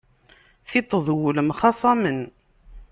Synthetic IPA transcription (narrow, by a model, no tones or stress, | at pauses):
θit̪ˤːəðˤwuləmχɑsˤɑmən